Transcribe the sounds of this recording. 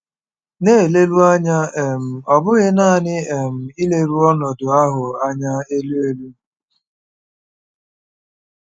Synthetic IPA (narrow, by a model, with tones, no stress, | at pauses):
ne˦˨le˦lu˦a˦ɲa˦e˨m̩˨ɔ˨bʊ˦ɣɪ˦na˦˨nɪ˦e˨m̩˨i˦le˦ɾu˦ɔ˦nɔ˨dʊ˨a˦ɦʊ˨a˦ɲa˦e˦lu˦e˦lu˦